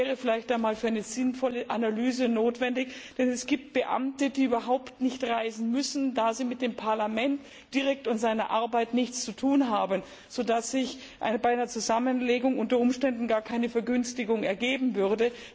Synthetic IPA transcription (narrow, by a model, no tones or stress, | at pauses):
ɛːʁəfɪlaɪçtaɪnmaːlfyːɐaɪnəz̥ɪnfɔləʔanalyːzənoːtv̥ɛndɪçd̥ɛnɛsɡ̥iːp̚t̚b̥əʔa̰mtədiːyːbɐɦaʊptnɪçtʁaɪzn̩mʏsn̩daːziːmɪt̚d̥eːmpʰaɐlamɛnt | d̥iʁɛk̚tʊntz̥aɪnɐ̰ʔaɐbaɪtnɪçt͡st͡sutʰuːnɦaːbən | z̥oːdasz̥ɪç | ʔabaɪanɐt͡suzamənleːɡʊŋʔʊntɐʊmʃtɛndn̩ɡaːɐkʰaɪnəfɛɐɡʏnstɪɡʊŋɛ̰ɐɡeːbm̩vʏʁdə